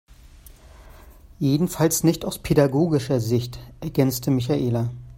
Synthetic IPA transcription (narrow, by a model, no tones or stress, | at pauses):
jeːdn̩falsnɪçtaʊspʰedaɡoːɡɪʃɐzɪçtʔɛɐɡɛnt͡stʰəmɪç̬aʔeːla